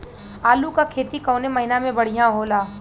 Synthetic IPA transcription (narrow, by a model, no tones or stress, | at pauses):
aːlukakʰeːt̪ikɐʊnemɐɦɪnamẽbɐɽ̤ijãɦoːlaː